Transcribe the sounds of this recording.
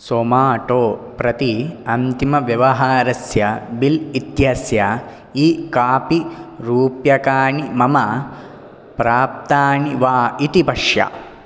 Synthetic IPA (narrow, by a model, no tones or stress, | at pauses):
soːmaːʈoːpɾɐt̪iɐnt̪imɐʋjɐʋɐɦaːɾɐsjɐbilit̪jɐsjɐ | ikaːpiɾuːpjɐkaːɳimɐmɐ | pɾaːp̚t̪aːɳiʋaːit̪ipɐʂjɐ̰